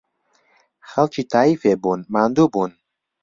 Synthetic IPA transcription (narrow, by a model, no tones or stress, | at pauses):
xɐlt͡ʃiːt̪ʰaːiːfeːbuːnmaːnd̪uːbuːn